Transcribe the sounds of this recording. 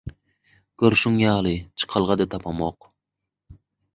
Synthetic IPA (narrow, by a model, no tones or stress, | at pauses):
ɡ̥ʲøɾʃuŋjɑːlˠɨt͡ʃʰɨ̥qʰɑlˠʁɑd̪ɛt̪ʰɑpʰɑmoq